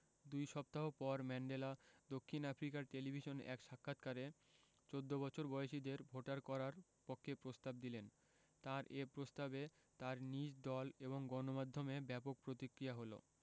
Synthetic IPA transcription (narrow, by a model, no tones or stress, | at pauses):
d̪ujʃɔp̚t̪aɦopɔɾmɛɳɖelad̪okʰːinapʰɾikaɾʈelibʱiʃonɛ̰kʃakʰːat̪kaɾe | t͡ɕod̪ːobɔt͡ɕʰoɾbɔeʃid̪eɾbʱoʈaɾkɔɾaɾ | pokʰːepɾost̪ab̚d̪ilen | t̪aɾʔepɾost̪abe | t̪aɾnid͡ʑd̪ɔleβoŋɡɔnomad̪ʱːomebɛpok̚pɾot̪ikɾiaɦolo̰